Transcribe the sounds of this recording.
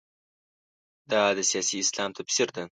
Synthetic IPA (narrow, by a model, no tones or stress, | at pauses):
d̪̥ad̪ɪsijasiːslamt̪ʰɪpʰɪ̥sɪɾd̪ɪ